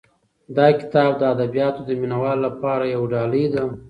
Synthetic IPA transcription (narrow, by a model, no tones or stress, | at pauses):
d̪ɑkɪ̥t̪ɑb̚d̪əad̪abijɑt̪od̪əminawɑlːapɑɾajawɖɑləjd̪a